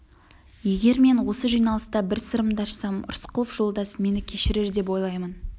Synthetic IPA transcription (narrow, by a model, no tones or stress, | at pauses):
je̞ɡʲe̞ɾme̞nwo̞səʒijnɑlˠəst̪ɑbɪɾsəɾəmd̪ɑʃsɑmʊ̰ɾsqəlˠəfʒ̥o̞lˠd̪ɑsme̞nɪkʲʰe̞ʃɪɾe̞ɾd̪e̞p̬wo̞jlˠɑjmən